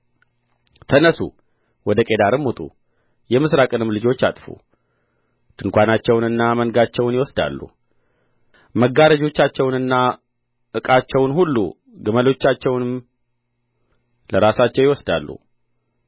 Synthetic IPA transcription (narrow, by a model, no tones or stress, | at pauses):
t̪ʰənəsṵ | wɔd̪əkʼe̞d̪aɾɨmːut̪ʼṵ | jɛmɨsɾakʼɨnɨmlɨd͡ʒo̞t͡ʃːa̰t̪ʼfṵ | t̪ʰɨŋkʷanat͡ʃːɛwnɨnːamənɡat͡ʃːɛwnjɪwɔsd̪a̰lːṵ | məɡːaɾəd͡ʒo̞t͡ʃːat͡ʃːɛwnɨnːa | ʔɨkʼat͡ʃːɛwnɦulːṵ | ɡɨməlo̞t͡ʃːat͡ʃːɛwnɨm | ləɾasat͡ʃːɛwjɪwɔsd̪a̰lːṵ